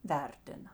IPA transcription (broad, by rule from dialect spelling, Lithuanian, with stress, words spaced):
ˈʋʲɛrʲtʲɪnɐ